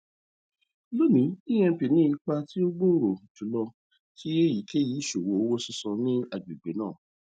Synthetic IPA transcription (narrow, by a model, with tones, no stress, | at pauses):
lo˦˨nĩ˨˦i˦j̃ɛ̃˧pi˨nĩ˦i˧k͡pa˧ti˦o˦ɡ͡bo˦˨ɾo˨tu˨˦lɔ˧ | ki˦e˦ji˨˦ke˦˨ji˨˦ʃo˨wo˨˦o˦wo˦sĩ˦sɔ̃˧nĩ˦a˨bi˨ɡ͡be˨˦nãː˦˨